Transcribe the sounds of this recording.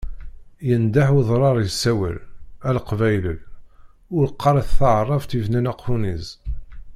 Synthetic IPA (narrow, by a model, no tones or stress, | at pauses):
jənd̪aħuðˤɾˤɑɾˤjəsːæwə̰lælqvæjləl | ʊɾqʰːɑɾˤiθθɑʕərˤːɑvt̪ivnænæqːuniz